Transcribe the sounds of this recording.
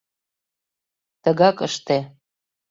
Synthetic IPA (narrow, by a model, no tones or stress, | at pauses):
t̪ə̆ɣɑkəʃt̪e